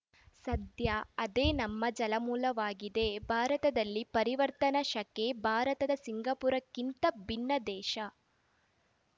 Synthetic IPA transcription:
sɐd̪jɐɐd̪eːnɐmːɐd͡ʒɐlɐmuːlɐʋaːɡid̪e̞bʱaːɾɐt̪ɐd̪ɐlːipɐɾiʋɐɾt̪ɐnɐʃɐkebʱaːɾɐt̪ɐd̪ɐsiŋɡɐpuːɾɐkːint̪ɐbʱinːɐd̪ɛːʃɐ

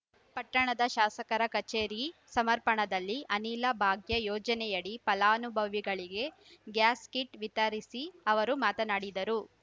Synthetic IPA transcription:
pɐʈːɐɳɐd̪ɐʃaːsɐkɐɾɐkɐt͡ʃeːɾisɐmɐɾpɐɳɐd̪ɐlːiʔɐniːlɐbʱaːɡjɐjɔːd͡ʒɐnɛjɐɽipɐlaːnubʱɐʋiɡɐɭiɡe̞ | ɡjaːskiʈʋit̪ɐɾisiɐʋɐɾumaːt̪ɐnaːɽid̪ɐɾu

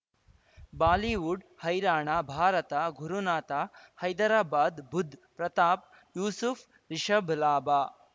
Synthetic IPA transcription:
baːliːʋuɖ | hɐjɾaːɳaːbʱaːɾɐt̪aːɡʱuɾunaːt̪aːhɐjd̪ɐɾaːbaːd̪bʱud̪ʱpɾɐt̪aːp̚ | juːsufʰ | ɾiʃɐbʱlaːbaː

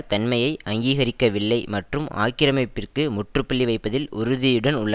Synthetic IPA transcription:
t̪ɐnmɐjɐɪʔɐŋɡiːɣɐɾɪkːɐʋɪɭːɐɪmɐʈrɯma̰ːkːɪɾɐmɐɪpːɪrkɯmʊʈrɯpːɐɭːiʋɐɪpːɐðɪlʔʊɾʊðɪjɯɽɐnʊɭːɐ

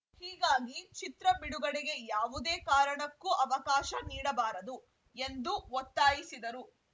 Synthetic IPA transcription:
hiːɡaːɡit͡ʃit̪ɾɐbiɽuɡɐɽiɡe̞jaːʋud̪eːkaːɾɐɳɐkːuʔɐʋɐkaːʃɐniːɽɐbaːɾɐd̪u | e̞nd̪uʋɔt̪ːaːjisid̪ɐɾu

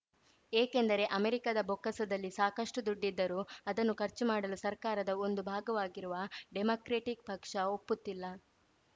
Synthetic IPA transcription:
eːke̞nd̪ɐɾe̞ʔɐmeɾikad̪ɐbʱokːɐsɐd̪ɐlːisaːkɐʂʈud̪uɖːid̪ːɐɾuːɐd̪ɐnːukɐɾt͡ʃumaːɽɐlusɐɾkaːɾɐd̪ɐo̞nd̪ubʱaːɡɐʋaːɡiɾuʋɐɖemoːkɾeːʈik̚pɐkʂɐo̞pːut̪ːilːɐ

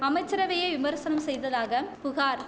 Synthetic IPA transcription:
ɐmɐɪt͡ʃːɪɾɐʋɐjɐɪʋɪmɐɾsɐnɐmsɛjðɐðaːɣɐpʊɣaːɾ

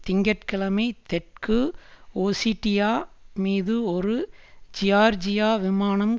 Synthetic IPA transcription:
t̪ɪŋɡɐʈkɪɭɐmɐɪt̪ɛʈ̚kɯoːsiːʈːɪjaːmiːðɯɔɾɯd͡ʒɪjaːɾd͡ʒɪjaːʋɪmaːnɐm

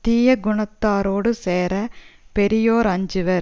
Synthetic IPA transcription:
t̪iːjɐɡʊɳɐt̪ːaːɾoːɽɯseːɾɐpɛɾɪjoːɾɐɲd͡ʒɯʋɐɾ

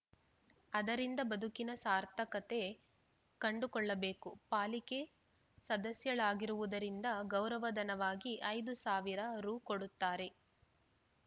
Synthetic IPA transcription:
ɐd̪ɐɾind̪ɐbɐd̪ʱukinɐsaːɾt̪ʰɐkɐt̪e̞ | kɐɳɖukɔɭːɐbe̞ːkupaːlike̞ | sɐd̪ɐsjɐɭaːɡiɾuʋud̪ɐɾind̪ɐɡɐwɾɐʋɐd̪ɐnɐʋaːɡiʔɐjd̪usaːʋiɾɐɾuːkoɽut̪ːaːɾe̞

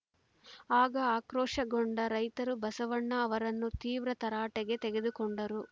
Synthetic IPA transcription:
aːɡɐaːkɾɔːʂɐɡoɳɖɐɾɐjt̪ɐɾubɐsɐʋɐɳːɐːʋɐɾɐnːut̪iːʋɾɐt̪ɐɾaːʈeɡe̞t̪ɛɡe̞d̪ukoɳɖɐɾu

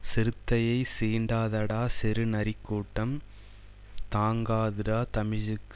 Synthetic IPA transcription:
sɪɾɯt̪ːɐjɐɪsiːɳɖaːðɐɽaːsɪɾɯnɐɾɪkːuːʈːɐm | t̪aːŋɡaːðɯɾaːt̪ɐmɪɻɯkː

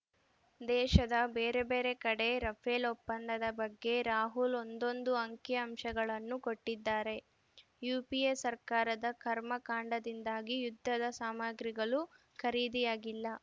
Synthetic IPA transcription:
d̪ɛːʃɐd̪ɐbeːɾe̞be̞ːɾe̞kɐɽe̞ɾɐpʰelopːɐnd̪ɐd̪ɐbɐɡːe̞ɾaːɦulo̞nd̪o̞nd̪uɐŋkjɐɐmʃɐɡɐɭɐnːuko̞ʈːid̪ːaːɾe̞ | juːpiesɐɾkaːɾɐd̪ɐkʰɐɾmɐkaːɳɖɐd̪ind̪aːɡijud̪ʱːɐd̪ɐsaːmaːɡɾiɡɐɭu | kʰɐɾiːd̪ijaːɡilːɐ

